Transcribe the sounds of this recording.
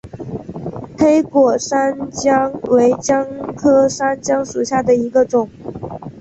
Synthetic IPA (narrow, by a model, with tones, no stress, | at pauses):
pʰe˥ɪkwɔ˨˩ʂa˥nt͡ɕjɑ˥ŋwe˧˥ɪt͡ɕjɑ˥ŋkʰɤ˥ʂa˥nt͡ɕjɑ˥ŋʂu˨˩ɕja˥˩d̪ə˩i˧˥ɡə˧ʈ͡ʂʊ˨˩˦ŋ